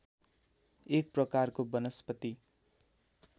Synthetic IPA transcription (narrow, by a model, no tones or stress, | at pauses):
ek̚prʌkarkobʌnʌspʌt̪i